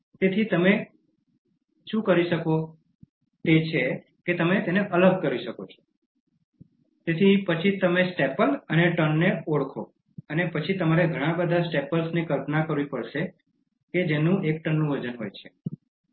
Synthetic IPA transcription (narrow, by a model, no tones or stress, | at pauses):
t̪et̪ʰit̪əme | ʃũkəɾiʃəko | t̪et͡ʃʰe | ket̪əmet̪eneʔələɡ̚kəɾʋiʃəkot͡ʃʰo̥ | t̪et̪ʰipət͡ʃʰit̪əmesʈepələneʈənːeoɽkʰo | ənepət͡ʃʰit̪əmaɾeɡʱəɽ̃ãbəd̪ʱasʈepəlsnikəlpnakəɾʋipəɽʃe | ked͡ʒenũekʈənːũʋəd͡ʒənɦo̰jt͡ʃʰe̥